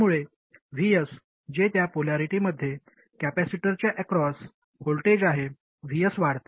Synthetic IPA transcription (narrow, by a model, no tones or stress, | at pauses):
muɭe | ʋijəs | d͡ʑet̪japolaɾiʈiməd̪ʱːje | kæpæsiʈəɾt͡ɕjaʔɛkɾɔs | holʈed͡ʑaɦe | ʋ̤ijəsʋaɽt̪e̥